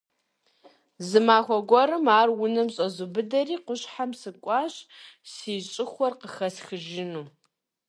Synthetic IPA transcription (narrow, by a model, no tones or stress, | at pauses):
zɨmaːxʷɔɡʷɔɾɨmaːrwʊnɐmɕʼɐzʊbɨdɐɾiːqʷʊɕħamsɨkʷʼɑːɕsiːɕʼɪxʷɔrqəxɐsxɨʒɪnuː